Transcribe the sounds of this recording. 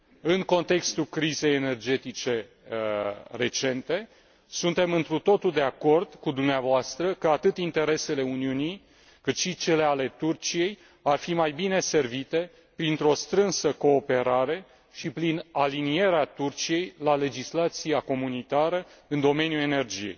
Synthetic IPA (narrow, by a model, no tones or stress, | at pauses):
ɨŋko̞nt̪e̞kst̪ulkɾize̞jene̞rd͡ʒe̞t̪it͡ʃe̞ | re̞t͡ʃe̞nt̪e̞ | sunt̪e̞mɨnt̪ɾut̪o̞t̪uld̪e̞ako̞rd̪̥kud̪umneavoast̪ɾəkəat̪ɨt̪int̪e̞ɾe̞se̞le̞uniunij | kɨt̪ʃit͡ʃe̞le̞ale̞t̪urt͡ʃije̞j | arfimajbine̞se̞rvit̪e̞ | pɾint̪ɾo̞st̪ɾɨnsəko̞ːpe̞ɾaɾe̞ | ʃipɾinalinije̞ɾeat̪urt͡ʃije̞jlale̞d͡ʒislat̪sijako̞munit̪aɾəɨnd̪o̞me̞njue̞ne̞rd͡ʒije̞̰j